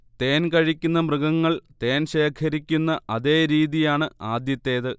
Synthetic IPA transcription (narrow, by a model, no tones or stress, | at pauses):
t̪e̞ːnkɐɻikʲːunːɐmrɨɡɐŋːɐɭt̪e̞ːnɕe̞ːkʰɐɾikʲːunːɐʔɐðe̞ːɾiːðijaːɳɨaːd̪jɐt̪ːe̞ːðɨ